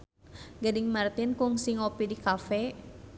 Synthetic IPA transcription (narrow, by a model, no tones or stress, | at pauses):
ɡadiŋmart̪inkuŋsiŋɔpidikafɛ